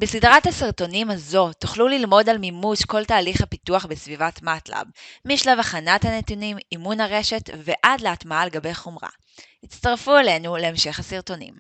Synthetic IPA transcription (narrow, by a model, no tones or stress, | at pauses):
besidʁathasiʁto̞nimhazo̞tuχlulilmo̞dalmimuʃko̞ltaːliχhapituaχbesvivatmatla̰b̚miʃlavaχanathanetunimimunhaʁe̞ʃe̞tveʔadleatmaaleɡabe̞jχomʁa̰ | hitt͡staʁfuele̞nuleːmʃe̞χhasiʁto̞nḭm